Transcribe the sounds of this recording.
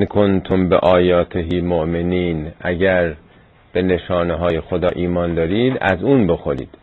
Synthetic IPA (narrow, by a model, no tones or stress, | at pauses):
nkʰont̪ʰombḛʔɒːjɒːt̪ʰeɦiːmoʔmeniːnʔæɟæɾ | b̥e̞ne̞ʃɒːneɦɒːjexod̪ɒːʔiːmɒːnd̪ɒːɾiːd̪æ̰zuːnbe̞xoɾḭːd̪̥